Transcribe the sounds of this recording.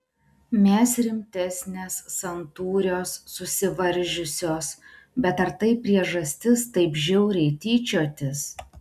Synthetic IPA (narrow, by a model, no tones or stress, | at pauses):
mʲɛːsɾʲɪmʲt̪ʲɛsʲnʲeːsːɐnt̪uːɾʲoːsːʊsʲɪʋɐɾʲˑʒʲʊsʲoːs | bʲɛt̪ɐɾt̪ɐɪpʲɾʲiɛʒɐsʲt̪ʲɪst̪ɐɪpʒʲɛʊɾʲɛɪt̪ʲiːt͡ʃʲoːt̪ʲɪs